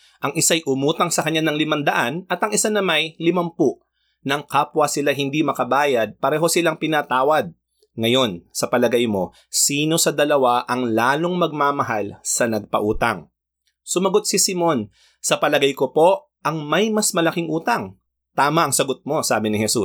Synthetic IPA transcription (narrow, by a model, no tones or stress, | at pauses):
ʔɐŋʔɪsajʔʊmuːt̪ɐŋsɐkɐɲːanɐŋlɪmɐnd̪ɐʔanɐt̪ɐŋɪsanɐmɐjlɪmɐmpuʔ | nɐŋkaːpwɐsɪlaɦɪnd̪imɐkɐbaːjɐd̪̚pɐɾɛːɦo̞sɪlaŋpɪnat̪aːwɐd̪̚ | ŋɐjo̞nsɐpɐlɐɡajmo̞ | siːno̞sɐd̪ɐlɐwaʔɐŋlaːlo̞ŋmɐɡ̚maːmɐɦalsɐnɐɡ̚pɐ̰ʔuːt̪ɐ̰ŋ | sʊmɐɡo̞t̪̚sɪsɪmo̞n | sɐpɐlɐɡajko̞po̞ | ʔɐŋmɐjmɐsmɐlɐkiŋʔuːt̪ɐŋ | t̪aːmɐʔɐŋsɐɡot̪̚mo̞saːbɪnɪhɛsu